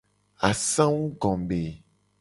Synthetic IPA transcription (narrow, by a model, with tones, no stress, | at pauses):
a˨sã˦wu˦ɡɔ̃˨be˨